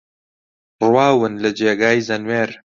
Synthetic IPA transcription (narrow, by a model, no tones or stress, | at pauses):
rwaːwɨnlɐd͡ʒeːɡaːjzɐnweːɾ